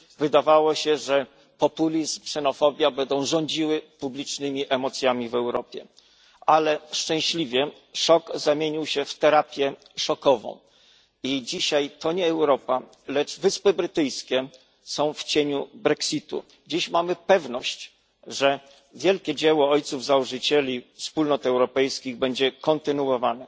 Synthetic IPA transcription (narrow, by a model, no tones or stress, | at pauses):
vɘd̪avawɔɕɛʐɛ | pɔpulʲizksɛnɔfɔbʲjabɛnd̪ɔ̃w̃ʐɔɲd͡ʑiwɘpublʲit͡ʂnɘmʲiʔɛmɔt̪sʲjamʲivɛwɾɔpʲjɛ̰ | alɛʂt͡ʂɛ̃w̃ɕlʲivʲjɛ | ʂɔkzamʲjeɲiwɕɛft̪ɛɾapʲjɛ | ʂɔkɔvɔ̰̃w̃ | id͡ʑiɕajt̪ɔɲɛːwɾɔpa | lɛd͡ʐvɘspɘbɾɘt̪ɘjskʲɛ | sɔ̃w̃ft͡ɕeɲubɾɛksʲit̪ṵ | d͡ʑiɕmamɘpɛvnɔɕt͡ɕ | ʐɛ | vʲjɛlkʲɛd͡ʑɛwɔɔjt̪suvzauʐɘt͡ɕelʲifspulnɔt̪ɛwɾɔpɛjskʲiɣbɛɲd͡ʑɛkɔnt̪ɘnuwɔvanɛ